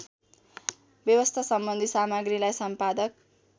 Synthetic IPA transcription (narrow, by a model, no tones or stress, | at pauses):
bjʌwʌst̪ʰasʌmbʌnd̪ʱisamaɡrilajsʌmpad̪ʌk̚